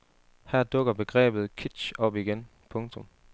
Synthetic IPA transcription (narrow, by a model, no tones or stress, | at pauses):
hæɐd̥ɔ̽ɡ̥ɐb̥e̝ɡ̥ʁɛ̰ːb̥ð̞̩ˠkʰid̥ɕɒ̽b̥iɡ̥en | pʰɔ̽ŋt͡sʰɔ̽m